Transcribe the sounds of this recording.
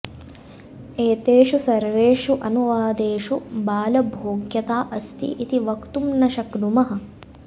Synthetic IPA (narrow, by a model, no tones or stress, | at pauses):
eːt̪eːʃusɐɾʋeːʂuʔɐnuʋaːd̪eːʂubaːlɐbʱoːɡjɐt̪aːʔɐst̪ʰḭʔit̪iʋɐkt̪umnɐʃɐknumɐɦɐ̆